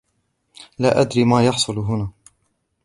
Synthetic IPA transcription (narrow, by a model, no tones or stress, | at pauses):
laːʔad̪ɾiːmaːjɑħsˤʊlɦʊnaː